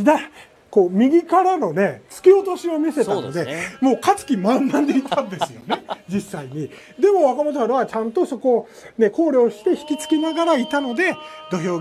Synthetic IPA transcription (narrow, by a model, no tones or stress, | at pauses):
d̪a | ko̞ːmʲiɡʲikaɾano̞ne̞t͡sɨ̥kʲio̞t̪o̞ɕio̞mʲise̞t̪ano̞̰d̪e̞mo̞ːkat͡sɨ̥kʲimãnːãnd̪e̞it̪ʰãnd̪e̞sɨjo̞ne̞d͡ʑisːaiɲ̟i | d̪e̞mo̞βakamot̪oaɾɯβat͡ɕãnt̪o̞so̞ko̞ | ne̞ko̞ːɾʲo̞ːɕi̥t̪e̞çi̥kʲit͡sɨ̥kʲinaɡaɾait̪ano̞d̪e̞d̪o̞ço̞ː